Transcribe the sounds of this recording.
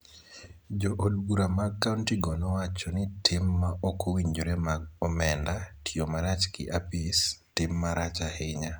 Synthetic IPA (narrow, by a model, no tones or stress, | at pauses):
d͡ʒoʔodɡuɾamakːauntiɡɔnɔwat͡ʃɔnɪtʰɪmːaokʰowiɲd͡ʒoɾemaɡɔmɛndatʰiomaɾat͡ʃkɪ̰ʔapistɪmːaɾat͡ʃahɪɲa